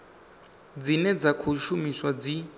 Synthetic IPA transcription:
d͡zinɛd͡zakʰuʃumiswad͡zi

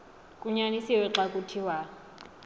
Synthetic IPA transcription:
kʼuɲanisiwɛǁakʼutʰiwa

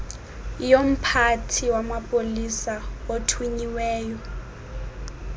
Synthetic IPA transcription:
jom̩pʰatʰiwamapʼolisaotʰwiɲiwɛːjɔ

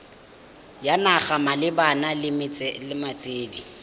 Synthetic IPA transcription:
janaχamalɪbanalɪmɪt͡sʼɛlɪmat͡sʼeːdi

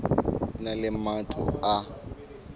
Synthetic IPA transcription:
nalɪmatʰʼʊ̰a

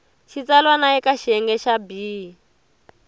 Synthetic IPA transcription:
ʃit͡salwanaikaʃɛŋɡɛʃabiːi

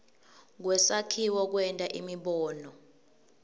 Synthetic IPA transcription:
k̬wɛsakʰiwɔk̬wɛntʼaʔimiɓɔːnɔ

